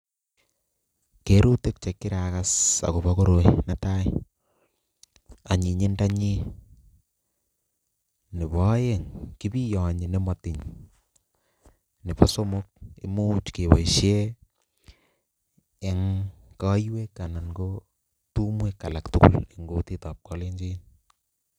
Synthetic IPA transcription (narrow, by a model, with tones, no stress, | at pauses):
ke˨˦ɾu˦te˦k̚t͡ʃe˨kːɪ˦ɾa˨ka˦sa̰˨ko˨βɔ˦ko˦ɾo˨ina˨ta˦j | a˨ɲi˨ɲɪ˦nda˦ɲi˦ | nɪ˨bɔ˦je˦ŋki˦bi˦jɔ˨ɲi˨ne˦mɔ˨tɪ˨ɲ | ni˨pɔ˦so˦mo˦k̚ḛ˨mo˦t͡ʃke˨wa˨ʃe˦ | ŋkɔ˦jwe˦kːa˨na˨nɡo˦ | tu˦mwe˦kːa˨la˨ktu˦kṵ˦le˨ŋɡo˦ti˦tɔ˨p̚kɔ˦le˦ɲd͡ʒi˦n